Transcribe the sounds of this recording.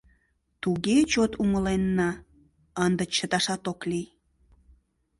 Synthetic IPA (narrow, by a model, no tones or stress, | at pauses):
t̪uɣet͡ɕot̪uməlenːɑ | ənd̪ə̆t͡ɕət̪ɑʃɑt̪oklij